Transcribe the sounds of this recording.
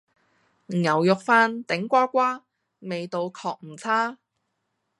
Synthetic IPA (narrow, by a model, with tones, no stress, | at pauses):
ŋɐ˨˩wjʊ˨k̚faː˧nt̪ɪ˨˥ŋkʷaː˥kʷaː˥ | me˨jt̪o˨˧wkʰɔː˧k̚m̩˨˩t͡sʰaː˥